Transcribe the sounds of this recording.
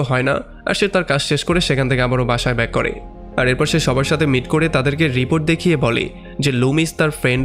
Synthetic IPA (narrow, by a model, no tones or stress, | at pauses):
oɦɔena̰ | a̰ɾʃeɾt̪aɾkad͡ʑʃeʃkoɾeʃekʰant̪ʰekeabaɾobaʃaebɛkːɔɾḛ | aɾeɾpɔɾʃeʃɔbaɾʃat̪ʰemiʈkoɾet̪ad̪eɾkeɾipoɾʈ̚d̪ekʰijebɔlḛ | d͡ʑelumist̪aɾfɾeɳɖ